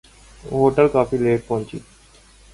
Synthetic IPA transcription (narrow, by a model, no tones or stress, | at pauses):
ɦoʈalkafilek̚pɔnt͡ɕḭt̪